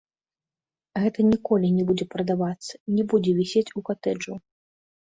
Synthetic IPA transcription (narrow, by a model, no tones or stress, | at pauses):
ɣɛt̪ɐnʲikɔlʲinʲɛbud͡zʲɛpɾɐd̪avat̪sːɐ̥nʲɛbud͡zʲɛvʲɛsʲet͡sʲukat̪ɛd͡ʐu